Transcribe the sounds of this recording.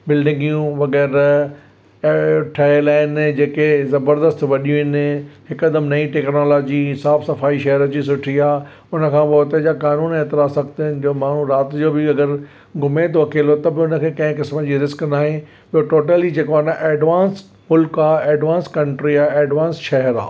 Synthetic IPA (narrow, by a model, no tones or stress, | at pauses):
bɪlɖɪ̃ŋɡijũʋɐɣɛːɾ | ʈʰɐelaːɪnd͡ʑeːkezɐbəɾd̪əst̪ʋɐɗijũɦɪnɦɪkɐd̪əmnɐĩʈeːknoːloːd͡ʑisaːfsɐfaːiʃɐɦɾəd͡ʑisʊʈʰiaː | ʊnə̆kʰãːpoːt̪ed͡ʑakaːnuːneːt̪ɪɾaːsɐɡt̪ɪɦɪnɪ̆d͡ʑoːmaːɳ̤ũɾaːt̪d͡ʑoːbɪɐɡəɾ | ɡʱʊmet̪ʰoɐkʰeːlot̪ɐbɪʊnə̆kʰeːkɐ̃ɦɪ̃kɪsməd͡ʑiːɾɪsknaːɦɪ̃ | pijoʈoːʈəlid͡ʑeːkoanaʔeːɖʋãːns | mʊlkaːeːɖʋãːnskɐ̃ɳʈɾiaːeːɖʋãːnsʃɐɦɾa̰ː